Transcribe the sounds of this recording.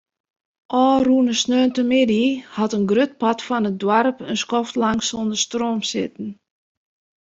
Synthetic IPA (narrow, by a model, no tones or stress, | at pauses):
ʔɔːruənəsnøːntəmɪdihatənɡrøt̚patfɔnət̚dwarpənskɔftlaŋsondəstroːmsɪ̰tn̩